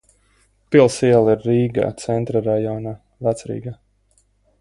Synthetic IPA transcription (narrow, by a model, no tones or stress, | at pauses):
pilˠsiɛlˠiɾːiːɡa̰ːt̪sɛnt̪ɾaɾajɔːnaː | væt̪sɾḭːɡaː